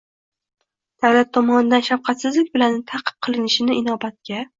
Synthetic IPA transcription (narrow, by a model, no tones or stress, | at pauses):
d̪̥awlat̪ʰːɒmɒnɪd̪anʃafqʰɑt̪sɪzlɪk̚ʲbɪlant̪ʰaqʰɨ̥p̚qʰɨlˠɪnɪʃɪnɪʔɪnɒbat̪̚kʲa